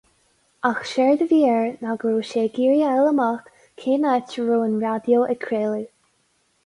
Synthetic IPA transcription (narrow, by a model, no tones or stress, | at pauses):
axʃɛɹd̪əviːəɹnaɡɹuːʃeːɡiːɹjəɛləmax | kʰeːnat͡ʃɹuːənɹad̪joʔɛkʰɹeːli